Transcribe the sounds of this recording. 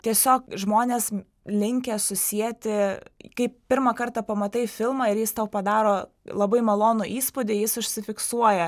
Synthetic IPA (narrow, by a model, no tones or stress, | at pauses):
t̪ʲiɛsʲoːkʒmoːnʲeːs | lʲɪŋʲkʲesʊsʲiɛt̪ʲɪkɐɪppʲɪɾmɐkɐrt̪ɐpɐmɐt̪ɐɪfʲɪlˠmɑːɪɾjɪst̪ɐʊpɐd̪ɑːɾoː | lˠɐbɐɪmɐlˠoːnʊʔiːspʊd̪ʲɪjɪsʊʃʲsʲɪfʲɪksuɔjɛ